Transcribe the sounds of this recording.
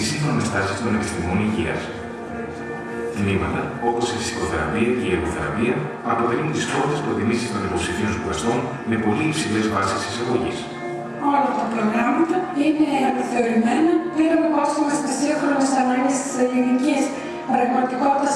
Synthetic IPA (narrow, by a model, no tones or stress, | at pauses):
isionest̪ɐsist̪o̞nekst̪imoniʝḭɐ̰s | t̪nimɐt̪ɐo̞po̞sifi̥si̥ko̞θeɾɐ̰piɐceieɣo̞θeɾɐ̰piɐ | ɐpo̞t̪eɾinunt̪ispot̪espɾo̞t̪imisist̪o̞nipo̞psifionpulɐson | me̞po̞liːpsilezvɐsisisɐɣo̞ʝis | olɐɐfot̪ɐpɾo̞ɣɾɐmɐt̪ɐine̞ɐnɐθe̞oɾimenɐpeɾonkost̪imɐst̪ɐsiɐxɾonsisɐnɐɟist̪i̥sɐlinicis | ɾɐɣmɐt̪iko̞t̪it̪ɐ